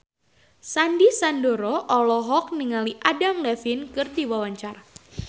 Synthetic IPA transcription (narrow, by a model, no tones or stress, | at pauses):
sandisandoɾɔʔɔlɔɦɔk̚niŋaliʔadaŋlɛfinkɨrdiwawaɲt͡ʃar